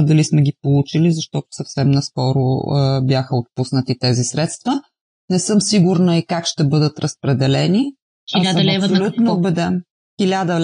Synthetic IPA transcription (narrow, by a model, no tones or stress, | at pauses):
d̪ɐlismɛɡʲipolˠut͡ʃilizɐʃt̪ɔt̪ʊ̥səfsɛmnɐskɔɾʊ̰bjaxəot̪̚pusnət̪it̪ɛzisɾɛt̪st̪və | nɛsɤmsiɡuɾnəikakʃt̪ɛbɤd̪ət̪ɾəspɾɛd̪ɛlɛni | ilʲaɐlvolʲut̪nobɛd̪ɛm | xilʲad̪əl